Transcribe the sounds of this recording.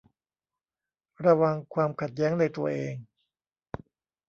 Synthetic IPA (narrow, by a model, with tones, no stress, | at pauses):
ɾa˧wa˧ŋkʰwaː˧mkʰa˨˩t̪̚jɛː˦˥ŋna˧jt̪u˧ɐʔeː˧ŋ